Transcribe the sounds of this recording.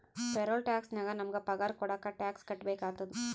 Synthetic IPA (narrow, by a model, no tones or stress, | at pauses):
pɛɾoːlʈaːksnɐɡɐnɐmɐɡɐpɐɣaːɾkɔɽɐkːɐʈaːkskɐʈːbeːkaːt̪ːɐd̪ɯ